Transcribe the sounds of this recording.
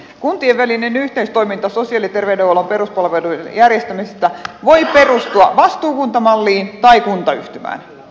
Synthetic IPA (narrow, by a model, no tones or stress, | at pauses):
kunt̪ieʋʋælinenyht̪eist̪oimint̪ɑsosiɑlit̪erʋedeolomperuspɑlʋeluiḛnjærjest̪æmisest̪æʋoiperust̪uɑʋɑst̪uːkunt̪ɑmɑlːiːnt̪ɑikunt̪ɑy̰ht̪ymæ̰ːn